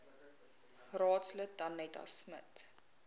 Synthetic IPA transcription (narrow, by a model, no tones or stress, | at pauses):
rɑːtslək̚dɐnːɛtɐ̰smə̰t